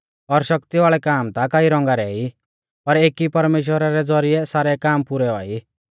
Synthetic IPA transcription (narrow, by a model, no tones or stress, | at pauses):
ɔɾʃɐk̚t̪iʋaːɭɛkaːmt̪akaːiɾɔ̃ŋɡaɾɛi | pɐɾeːkipɐɾmeːʃ̬wəɾaɾɛd͡zɔɾiɛsaːɾɛkaːmpʊɾɛɔːi